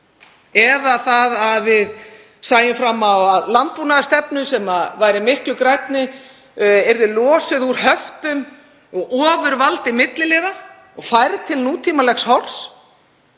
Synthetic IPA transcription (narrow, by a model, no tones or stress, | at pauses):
ɛðaθaðaðvɪð | saːjɪmfɾamːawaðlant̪̚punaðast̪ɛpnʏsɛmavaːjɾɪmɪhklʏkɾajt̪nɪ | ɛɾðɪlɔːsɪðuɾ̥ɦœft̪ʏm | ɔɣɔːvʏɾvalt̪ɪmɪt̪lɪlɪːða | ɔɣfaːjɾt̪ʰɪlnuːt̪ʰiːmalɛxshɔls